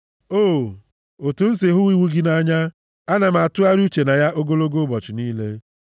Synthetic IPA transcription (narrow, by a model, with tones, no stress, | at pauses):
o˦˨ | o˨tu˨n̩˦sɪ˨ɦʊ˦wi˦wu˦ɡɪ˦na˦ɲa˦ | a˦na˨m̩˨a˨tʊ˦a˦ɾu˦t͡ʃe˨na˨ja˦ʔo˦ɡo˦lo˦ɡo˦bɔ˨t͡ʃɪ˨niː˦le˦